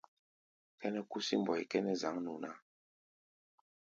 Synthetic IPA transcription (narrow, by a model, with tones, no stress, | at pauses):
kɛ˦nɛ˦ku˦si˦m˨bɔ˨i˨kɛ˦nɛ˦za˨˦ŋnu˨na˦˨